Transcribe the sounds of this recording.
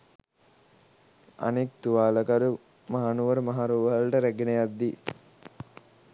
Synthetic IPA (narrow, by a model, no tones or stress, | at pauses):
a̰nek̚t̪uʋaːləkaɾu | maɦanuʋəɾmaɦaɾuʋəlʈəɾæɡenejad̪ːi